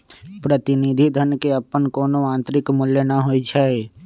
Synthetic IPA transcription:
pɾət̪ɪnid̪ʱid̪ʱənkeəpːənkoːnoãːnt̪ɾɪkmʊljənəɦoit͡ʃʰɛe

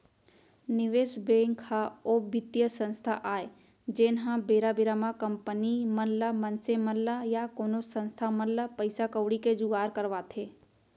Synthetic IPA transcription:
nɪʋeːsbeːŋkʰaobɪt̪jəsə̃nst̪ʰaʔaːe | d͡ʒeːnɦãbeːɾabɪɾaːmakəmpəniməllamənseməllajakoːnosə̃nst̪ʰaməllːapəɪsakəwɽiked͡ʒʊɡaːɾkəɾʋat̪ʰeː

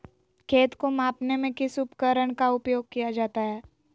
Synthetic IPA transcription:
kʰeːt̪komaːpnemẽkɪsʊpkəɾəɽ̃kaʊpjoːɡ̚kijad͡ʒaːt̪aɦɛː

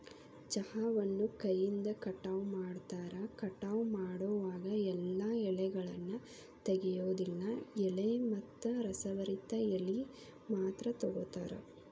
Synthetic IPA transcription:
t͡ʃɐhaːʋɐnːukɐjːind̪ɐkɐʈːɐʋmaːɽt̪aːɾɐkɐʈːɐʋmaːɽoʋaːɡɐɛlːɐɛɭɛɡɐɭɐnːu | t̪eɡɛjoːd̪ilːɐɛɭemɐt̪ːɐɾɐsɐʋɐɾit̪ːɐɛli | maːt̪ɾɐt̪ɔɡot̪a̰ːɾɐ̰

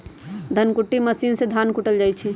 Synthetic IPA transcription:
d̪ʱənkuʈːiməsiːnsed̪ʱankuʈəld͡ʒajt͡ʃʰi

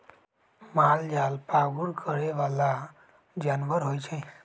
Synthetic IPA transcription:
mald͡ʒalpaɡuɾkʰəɾeʋala | d͡ʒanʋəɾɦojt͡ʃʰɛ̃

